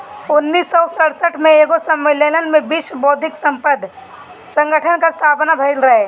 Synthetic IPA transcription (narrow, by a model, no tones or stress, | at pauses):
ʊnːiːsːɔsəɽsəʈʰmẽeːɡosəmːɪlələnmẽbiʃboːd̪ʱɪksə̃mpəd̪ʱ | sə̃ŋɡəʈʰənkast̪ʰaːpnabʱɐɪlɾɐɦeː